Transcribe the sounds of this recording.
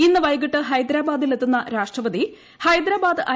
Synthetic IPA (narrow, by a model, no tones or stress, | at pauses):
inːɨʋɐjɡiʈːɨɦɐjd̪ɾaːbaːd̪ilet̪ːunːɐɾaːʂʈrɐʋɐd̪i | hɐjd̪ɾaːbaːd̪ɨʔɐ